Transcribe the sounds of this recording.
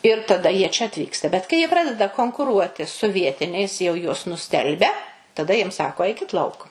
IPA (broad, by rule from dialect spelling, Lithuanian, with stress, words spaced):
ɪr tɐˈdɐ ˈjiɛ t͡ʃʲɛ ɐtʲˈʋʲiːkstɐ bʲɛt kɐɪ ˈjiɛ ˈprɑːdʲɛdɐ koːŋkʊˈruɔtʲɪ sʊ ˈʋʲiɛtʲɪnʲɛɪs jɛʊ ˈjuɔs nʊˈsʲtʲɛlʲbʲɛ tɐˈdɐ jiɛm ˈsɑːkoː ˈɐɪkʲɪt ˈlˠɐʊk